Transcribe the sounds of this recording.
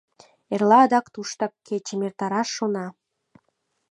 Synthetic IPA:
erlɑːd̪ɑkt̪uʃt̪ɑkːet͡ɕemert̪ɑɾɑʃːonɑ

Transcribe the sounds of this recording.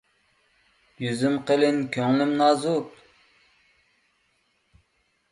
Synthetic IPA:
jyzymqəlɪnkʲʰøŋlɪmnɑːzup̚

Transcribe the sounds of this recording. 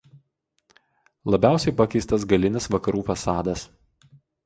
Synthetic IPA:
lˠɐbʲæˑʊsʲɛɪpɐkʲɛɪst̪ɐs̬ɡɐlʲɪnʲɪsʋɐkɐɾuːfɐsɑːd̪ɐs

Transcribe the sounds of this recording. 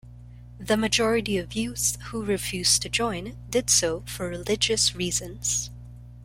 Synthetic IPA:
ðɨmɨd͡ʒɔɹɨɾiʌvjʉz̥huɹɨfjʉz̥tʰɨd͡ʒɔ̃ɪ̃ndɨd̥soʊfə˞ɹɨlɪd͡ʒɨsɹizɨ̃nz̥

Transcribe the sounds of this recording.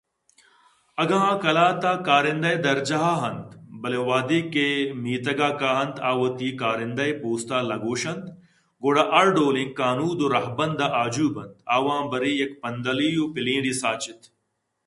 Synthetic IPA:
ɐɡãːkɐlaːt̪aːkaːɾɪ̃nd̪ɐjd̪ɐɾd͡ʒɐɦaːɦɐnt̪bɐleʋaːd̪iːkeːmiːt̪ɐɡaːkaːɦɐnt̪ʰaːʋɐt̪iːkaːɾɪ̃nd̪ɐjpoːst̪aːlɐɡoːʃɐnt̪ | ɡoːɽaːʔɐɾɖoːlĩkːaːnuːd̪oɾɐɦbɐnd̪aʔaːd͡ʒuːbɐ̃nt̪aːʋãːbɐɾiːɐkpɐnd̪ɐliːjoːpɪlĩːɖiːsaːt͡ʃɪt̪

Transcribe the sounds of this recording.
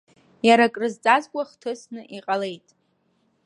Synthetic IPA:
jaɾakʼrɨzt͡sʼazkʷʼaχtʰɨsnɨʔiqʼale̞jtʼ

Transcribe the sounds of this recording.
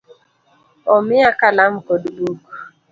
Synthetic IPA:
ɔmɪakalamkodbuk

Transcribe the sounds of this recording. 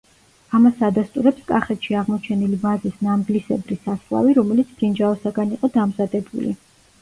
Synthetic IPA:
amasad̪ast̪ʼuɾɛpskʼaχɛt̪ʃiaʁmɔt͡ʃʰɛnilibazisnamɡlisɛ̰bɾisaslˠa̰viɾɔmɛlit̪sʰd̪ind͡ʒaɔsaɡaniqʼɔd̪amzad̪ɛbṵlḭ

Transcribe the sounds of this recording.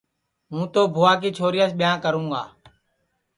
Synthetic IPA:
ɦũːt̪oːbʱoːaːkiːt͡ʃʰoːɾɪjaːsɓɪjãːkəɾũːɡa̰ː

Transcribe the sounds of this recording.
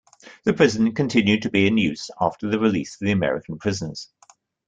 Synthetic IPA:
ðəpʰɹ̥ɪzə̃nkʰə̃ntʰɪ̃njʉd̚tʰəbiɪ̃njʉˑzɑˑftəðəɹɪliˑsəvðiəmɛ̰ɹɪ̰kə̃n̩pʰɹ̥ɪzənəz̥

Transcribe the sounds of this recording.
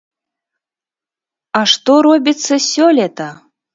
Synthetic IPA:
ɑʂt̪oɾobʲit͡sːəsʲolʲet̪a

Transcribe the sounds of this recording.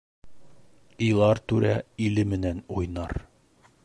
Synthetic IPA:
ijlˠɑɾt̪ʉɾæilɘmɘ̆nænujnɑ̰ɾ

